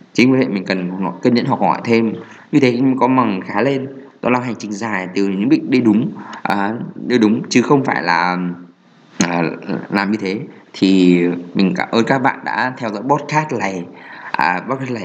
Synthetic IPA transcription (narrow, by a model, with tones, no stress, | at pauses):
t͡ɕi˨˦ŋkːḛ˧˨˩mï˨˩ŋ̟kə˨˩n˨˩nɔ˨˩jkəː˧nɲə̰˧˥nɦɔ˧˩khɔ̰˧˩jt̪ʰe˧mɲɨ˧t̪ʰe˨˦˧kɔ˨˦ma˨˩ŋxaː˨˦le˧nt̪ɔ˧la˧wɦa˨˩ŋ̟t͡ɕï˨˩ŋ̟zaː˨˩jt̪ɨ˨˩˧ɲɨ̰˧˥ŋɓï˧˨k̟̚ɗe˧˦ɗʊ˨˦ŋ͡mʔəː˨˩ɗi˧jɗʊ˨˦ŋ͡mt͡ɕɨ˨˦xə˧wŋ͡mfaː˧˩jlaː˨˩ | ʔəː˨˩laː˨˩mɲɨ˧t̪ʰe˨˦t̪ʰi˨˩mï˨˩ŋ̟ka̰˧˩ʔəː˧nkaː˦˥k̚ɓa̰ː˧˨nɗa̰ː˧˥t̪ʰɛ˧wzɔ̰˧˥jɓɔ˦˥t̚kaː˦˥t̚la˨˩jʔəː˨˩ɓɔ˦˥t̚kaː˦˥t̚la˨˩